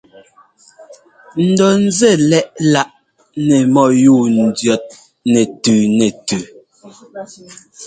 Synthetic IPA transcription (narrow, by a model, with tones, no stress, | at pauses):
n̩˨dɔ˨n̩˦zɛ˦˨lɛ˦˨ʔla˨ʔ | nɛ˨mɔ˨juː˦˨n̩˨djɔ˨t̚ | nɛ˨tʉː˨nɛ˨tʉ˨